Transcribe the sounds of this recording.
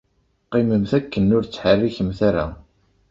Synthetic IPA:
qːeməmθækːənːʊɾt͡sːħərːiçəmθaɾa̰

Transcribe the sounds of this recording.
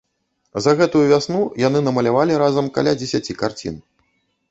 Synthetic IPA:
zɐɣɛt̪ujuvʲasnujan̪ɨnɐmɐlʲavalʲiɾazɐmka̰lʲad͡zʲesʲat͡sʲikart͡sʲḭn

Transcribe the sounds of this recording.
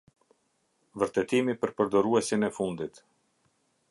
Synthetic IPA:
vəɾt̪ɛt̪imipəɾpəɾd̪ɔɾuɛsinɛfund̪it̪

